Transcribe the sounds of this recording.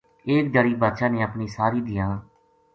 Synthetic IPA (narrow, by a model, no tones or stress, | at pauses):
eːkd̪əɾiːbaːt̪ʃãːneːəpniːsaːɾiːd̪ɪjãː